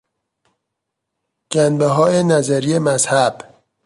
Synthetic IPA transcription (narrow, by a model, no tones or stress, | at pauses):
ɟ̥ænbeɦɒːjenæzæɾiːemæzhæb̥